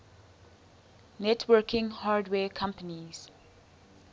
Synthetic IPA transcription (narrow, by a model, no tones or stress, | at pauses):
nɛtʰwɜkĩŋhaːdwɛkʰãmpəniz̥